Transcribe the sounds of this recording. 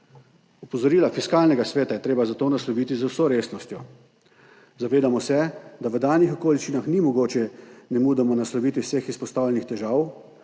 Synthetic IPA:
ɔpɔzɔɾiːlafiskaːlnɛɡasʋɛːt̪ajɛt̪ɾeːbazat̪oːnaslɔʋiːt̪izəwsoɾeːsnɔst̪jɔ | zaʋeːd̪amɔsɛd̪aʋəd̪aːnixɔkoːlit͡ʃinaxnimɔɡoːt͡ʃɛnɛmuːd̪ɛmɔnaslɔʋiːt̪ʋiwsexispɔst̪aːwlʲjɛnixt̪ɛʒaːw

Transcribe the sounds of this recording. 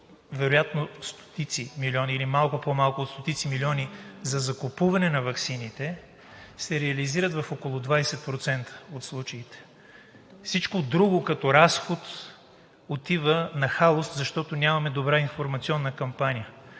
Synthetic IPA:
vɛɾojat̪nost̪o̥t̪it̪similiɔniilimalˠkʊpomalˠkʊːt̪st̪ot̪it̪similʲiɔnizɐzɐkopuvɐnɛnɐvɐksinit̪ɛ | sɛɾɛɐliziɾət̪vɐfokolˠʊd̪vajsɛt̪̚pɾot̪sɛnt̪ʰə̥ot̪slˠut͡ʃɐit̪ɛ̥ | fsit͡ʃkod̪ɾuɡʊkɐt̪ɔɾasxot̪ | ot̪ivənɐxalˠoszɐʃt̪ɔt̪onʲamɐmɛd̪obɾainfoɾmɐt̪siɔnːəkɐmpanʲijə

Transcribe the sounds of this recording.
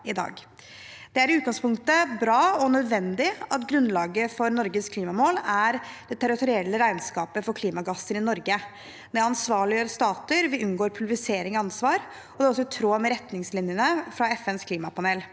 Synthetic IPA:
ɪd̪ɑ̰ːɡ | d̪̥ɛæɾɪʉːt̪ɡɑŋspʊŋkt̪əbɾɑːɔnœd̪ʋɛnd̪ɪɑt̪ɡɾʉnːlɑːɡəfɔɾnɔɾɡəskʰliːmɑmoːlæɾd̪̥ɛt̪ʰæɾɪt̪ʊɾɪɛlːəɾæɪnskɑːpəfɔɾkʰliːmɑɡɑsːəɾɪnɔɾɡə | d̪ɛɑnsʋɑːɭɪəɾst̪ɑːt̪əɾʋɪʉnɡoːɾpʰʉlɾɪseːɾɪŋɔɑnsʋɑːɾ | ɔd̪ɛɔs̬ːɔt̪ʰɾoːmɛɾɛt̪nɪŋslɪnjənəfɾɑɛfɛnskʰliːmɑpʰɑneːl

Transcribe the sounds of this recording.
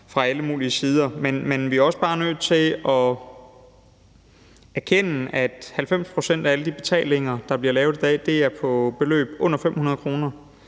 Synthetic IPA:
fʁɑ̈æləmṵːliəsiːð̞ˠɐmenmenʋiæɐɒ̽sb̥ɑ̈ːnøð̰ˠt͡sʰe̝lɒ̽ | æɐkʰen̰əæd̥hælfem̰spʰʁo̝sen̰d̥ææləd̥ib̥e̝t͡sʰɛ̰ːle̝ŋɐd̥ɑ̈b̥liɐlɛːʊðˠid̥ɛ̰d̥e̝æɐpʰɒ̽b̥e̝lø̰ːb̥ɔ̽n̰ɐfem̰hunɐðˠkʰʁo̝ːnɐ

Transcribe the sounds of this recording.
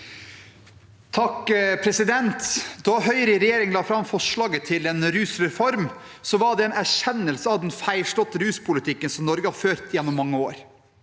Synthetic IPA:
t̪ʰɑkpʰɾɛsɪd̪ɛnt̪d̪ɔɦœʏɾɪɾɛjeːɾɪŋənlɑːfɾɑmfɔʂɭɑːɡət̪ʰɪleːnɾʉːsɾɛfɔɾmsɔʋɑɖɛeːnæʂɛnːəlsəɑʋd̪ɛnfæɪʂʈɔt̪ːəɾʉːspʰʊlɪt̪ʰɪkːənsɔmnɔɾɡəhɑɾføːɾt̪jɛnːɔmːɑŋːəoːɾ

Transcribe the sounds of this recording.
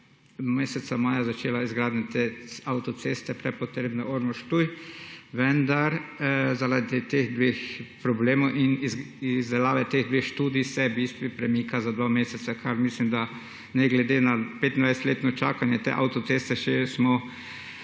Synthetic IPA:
meːsɛt̪samaːjazat͡ʃeːlaizɡɾaːd̪nʲat̪eawt̪ɔt̪seːst̪ɛpɾɛpɔt̪ɾeːbnɛʔoɾnɔʃt̪ujʋɛnd̪aɾzaɾad̪it̪eːxd̪ʋexpɾɔbleːmɔwʔin | izd̪ɛlaːʋɛt̪eɣd̪ʋexʃt̪uːd̪isɛbiːst̪ʋipɾɛmiːkazad̪ʋameːsɛt̪sakʰaɾmislimd̪a | nɛɡlɛd̪enapeːt̪ind̪ʋajsɛt̪leːt̪nɔt͡ʃaːkanjɛt̪ḛːʔawt̪ɔt̪sest̪ɛʃɛsmɔ

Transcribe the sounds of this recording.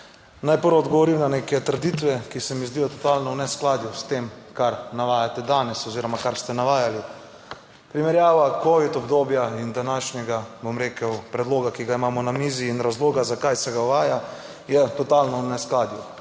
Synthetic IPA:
najpəɾɔd̪ɡɔʋɔɾimnanekɛt̪əɾd̪it̪ʋɛkisɛmizd̪ijɔt̪ɔt̪aːlnɔwnɛsklaːd̪just̪eːmkaɾnaʋaːjat̪ɛd̪aːnɛsɔziːɾɔmakaɾst̪ɛnaʋaːjali | pɾimɛɾjaːʋakoʋit̪ɔbd̪oːbjaind̪anaːʃnʲɛɡabomɾeːkəwpɾɛd̪loːɡakiɡaimaːmɔnamiːziːnɾazloːɡazakajsɛɡawʋaːja | jɛt̪ɔt̪alnɔwnɛsklaːd̪ju

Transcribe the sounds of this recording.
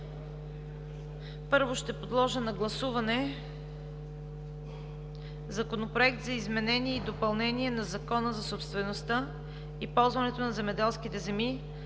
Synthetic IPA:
pɤɾvoʃt̪ɛpod̪lˠɔʒənɐɡlˠɐsuvɐnɛ | zɐkonopɾoɛk̚t̪zɐizmɛnɛniɛid̪opɐlˠnɛniɛnɐzɐkɔnəzɐsopst̪vɛnost̪a | ipɔlˠzvɐnɛt̪onɐzɛmɛd̪ɛlˠskit̪ɛzɛmi

